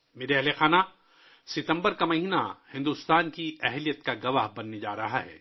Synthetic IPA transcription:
meːɾeɦlexaːna | sɪt̪ə̃mbəɾkamɐɦiːna̰hɪ̃nd̪ust̪aːnkiɛɦlijət̪kaɡɐʋaɦbɐnːed͡ʒa̰ːɾɐɦaɦɛ̰ː

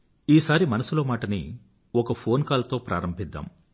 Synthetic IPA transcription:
iːsaːɾimɐnɐsuloːmaːʈɐnḭ | ɔkɐpʰo̞ːnkaːlɐt̪o̞ːpɾʔa̰ːɾɐmbʱid̪ːa̰ːm

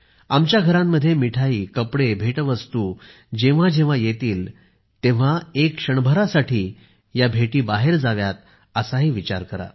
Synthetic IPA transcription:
amt͡ɕjaɡʱəɾãmːəd̪ʱːjemiʈʰaiːkəpɽebʱeʈʋəst̪uː | d͡ʑẽʋ̤ad͡ʑẽʋ̤ajet̪iːl | t̪ẽʋ̤aekʂəɳbʱəɾasaʈʰiː | jabʱeʈiːbaɦeɾd͡zaʋjat̪̚ | əsaɦiːʋit͡ɕa̰ɾkəɾa̰

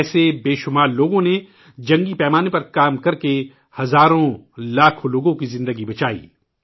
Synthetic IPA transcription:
sebeːʃʊmaːɾloːɡõne | d͡ʒɐ̃ŋɡipɛːmaːnepɐɾkaːmkɐɾke | hɐzaːɾõlaːkʰoloːɡõkizɪ̃nd̪əɡibɐt͡ʃaːḭː

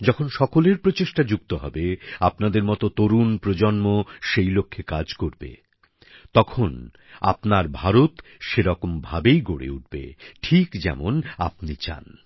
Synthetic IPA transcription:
d͡ʑɔkʰonʃɔkoleɾpɾot͡ɕeʃʈad͡ʑukt̪oɦɔbeapnad̪eɾmɔt̪ot̪oɾunpɾod͡ʑonmoʃejlokʰːekad͡ʑkoɾbḛ | t̪ɔkʰon | a̰pnaɾbʱaɾot̪ʃeɾɔkombʱabejɡoɽḛuʈ̚bḛʈʰikd͡ʑɛ̰mona̰pnit͡ɕa̰n

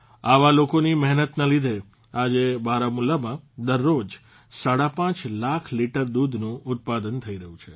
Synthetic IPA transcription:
aʋalokonimɛɦnət̪nalid̪ʱe | ad͡ʒebaɾamulːamãd̪əɾːod͡ʒ | saɽapãt͡ʃlakʰliʈəɾd̪ud̪ʱnũʔʊt̪̚pad̪ənt̪ʰəiɾəɦũt͡ʃʰe

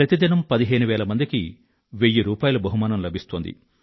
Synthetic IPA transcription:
ɾɐt̪id̪inɐmpɐd̪iɦeːnuʋɛːlɐmɐnd̪iki | ʋejːiɾuːpaːjulɐbɐɦumaːnɐmlɐbʱist̪ond̪ḭ

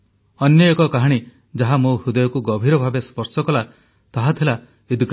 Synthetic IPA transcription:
ɔnjɔekɔkaɦaɽ̃i | d͡ʒaɦamoɾud̪ɔjɔkuɡɔbʱiɾɔbʱabespɔɾsɔkɔla | t̪aɦat̪ʰila | id̪ɡ

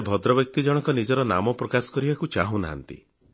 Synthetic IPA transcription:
bʱɔd̪ɾɔbjɔk̚t̪id͡ʒɔɽ̃ɔkɔnid͡ʒɔɾɔna̰mɔpɾɔkasɔ̥kɔɾibakut͡ʃaɦũnaɦa̰nt̪ḭ

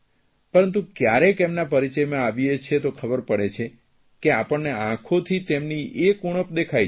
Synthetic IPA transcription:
pəɾənt̪ũkjaɾekemnapəɾit͡ʃəjmãaʋiet͡ʃʰet̪okʰəbəɾpəɽet͡ʃʰe | keapəɳneãkʰot̪ʰit̪emniekuɽ̃əpd̪ekʰaj

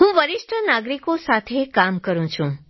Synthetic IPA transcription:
ɦũʋəɾiʂʈʰənaɡɾikosat̪ʰekamkəɾũt͡ʃʰũ

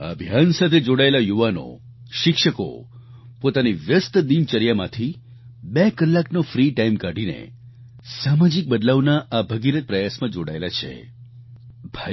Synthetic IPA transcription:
a̰bʱjansat̪ʰed͡ʒoɽaelajuʋano̰ | ʃɪkʃəko̰ | pot̪aniʋjəst̪d̪imt͡ʃəɾjamã̰t̪ʰi | bekəlːaknofɾiʈaimkaɖinḛ | samad͡ʒik̚bəd̪laʋnaʔabʱəɡiɾət̪̚pɾəjasmãd͡ʒoɽaelat͡ʃʰḛ | b̥ʱa

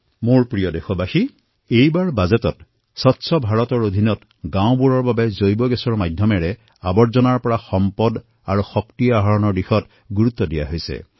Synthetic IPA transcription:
moɹpɹijɔdexɔbaxi | ejbaɹbazetɔt | sɔtːsʰɔbʱaɹɔtɔɹod̪ʱinɔt | ɡãw̃buɹɔɹbabɛzojbɔɡɛsɔɹmajdʱjɔmɛɹɛ | abɔɹzɔnaɹpɔɹaxɔmpɔd | aɹuxɔktiaɦaɹɔnɔɹdixɔt | ɡuɹut̪ːɔdija̰ɦojsɛ̰

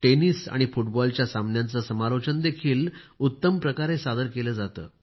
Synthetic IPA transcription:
ʈeniːsa̰ɽ̃ifuʈbɔlt͡ɕjasamnjãnt͡sasəmalot͡ɕənd̪ekʰiːlut̪ːəmpɾəkaɾesad̪əɾkeləd͡zat̪ə̰ː

